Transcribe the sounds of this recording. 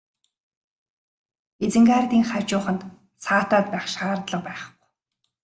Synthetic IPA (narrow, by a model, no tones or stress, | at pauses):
et͡sɘ̆ŋɡaːrt̪iːŋχḁt͡ɕʊːχə̆nt̪ | saːt̪aːt̪̚pæːχʃaːrt̪ɮə̆q̚pæːχɡu̥